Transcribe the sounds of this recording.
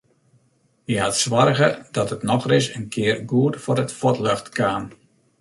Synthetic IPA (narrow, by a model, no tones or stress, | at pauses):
iɦatsʋɔrɣədɔtətnɔxrɪs̬ənkʰɪərɡuətfʊɾətfɔtløxtkʰaːn